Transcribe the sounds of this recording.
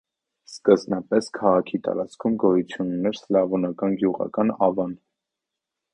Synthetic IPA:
skəznɑpɛskʰɑʁɑkʰit̪ɑ̰ɾɑt͡skʰumɡɔjut͡sʰjunːɛɾslɑvɔnɑkɑnɡjuʁɑ̰kɑnɑvɑn

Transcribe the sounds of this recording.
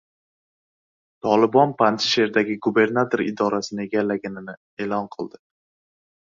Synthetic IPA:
t̪ʰɒlˠɪbɒnpʰant̪ʰɪ̥ʃe̞ɾd̪aɡʲɪɡube̞ɾnat̪ʰoɾɪ̰d̪ɒɾasɪnɪe̞ɡʲalːaɡʲanɪnɪ | e̞ːlɒnqʰɨlˠd̪ɪ

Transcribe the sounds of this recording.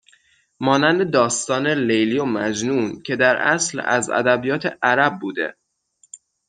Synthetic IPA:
mɒːnænd̪ed̪ɒːst̪ɒːne̞lejliomæd͡ʒnuːncʰe̞d̪æɾʔæ̰slæ̰zæ̰d̪æbijɒːt̪ʰḛʔæɾæb̚ːuːd̪e̞̰

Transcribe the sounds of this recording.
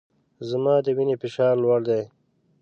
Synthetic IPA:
zəmɑːd̪əwinefɪʃɑːɾlwaɽd̪aj

